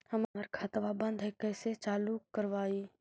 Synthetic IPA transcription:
həməɾkʰaːt̪ʋabə̃nd̪ʱɛkɛːset͡ʃaːlukːəɾʋaːiː

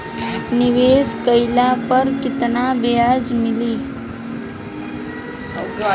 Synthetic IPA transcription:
nɪʋeːskəɪlapəɾkɪt̪nabejad͡ʒmɪliː

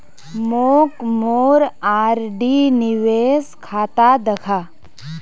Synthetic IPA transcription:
moːkmoːɾaːɾɖinɪʋeːskʰaːt̪ad̪ɐkʰaː

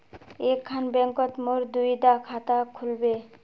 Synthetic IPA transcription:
ekʰːanbɛŋkɔt̪moɾd̪ujd̪akʰat̪akʰulbe

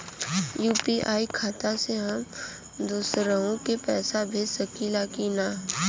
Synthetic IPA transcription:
juːpiʔaːikʰaːt̪aseɦəm | d̪uːsɾəõkepɛːsabʱisɐkilaːkinaː

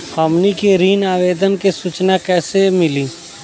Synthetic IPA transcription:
həmnikiɾiːnaːʋeːd̪ənkesut͡ʃnakɛːsemɪliː

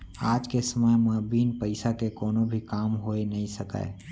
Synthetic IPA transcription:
aːd͡ʒkesəməjmɐbiːnpəɪsakekɔːnõbʱikaːmɦoːenɐɦĩsəka̰ː

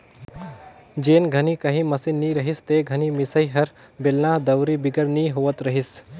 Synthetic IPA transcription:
d͡ʒeːnɡʱənikəɦĩməsiniɾəɦist̪eɡʱənimɪsəiɦɐɾ | belnaɦd̪əwɾibɪɡəɾniɦoːʋət̪ɾəɦis

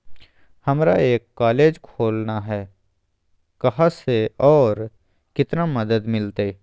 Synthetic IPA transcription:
hɐmɾaeːkːaːleːd͡ʒkʰoːlnaɦɛː | kɐɦãseɔːɾ | kɪt̪namɐd̪əd̪mɪlt̪e

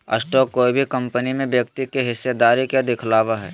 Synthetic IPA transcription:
ɐ̰sʈɔːkːoːibʱikɐ̃mpənimẽbjɐkt̪ikeɦɪsjed̪aːɾikjad̪ɪkʰlaːʋaɦɛ̰ː

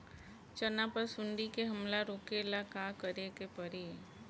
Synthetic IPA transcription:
t͡ʃənapəɾsʊɳɖikeɦəmlaɾoːkelakakəɾekepəɾi

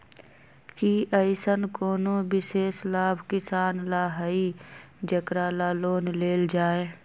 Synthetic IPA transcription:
kiʔəɪsənkoːnoːbɪseːslaːbʱkɪsaːnlaːɦəi | d͡ʒəkɾaːlaːloːnleːld͡ʒaːeː

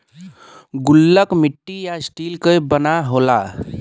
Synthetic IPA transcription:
ɡʊlːəkmiʈːijasʈilkəbənaɦola̰

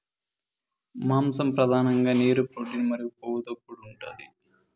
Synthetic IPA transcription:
maːmsɐmpɾɐd̪aːnɐŋɡɐniːɾɯpɾoːʈːinmɐɾipoːɣɯðɐkːuɭːuɳʈɐ̰ðɯ̰

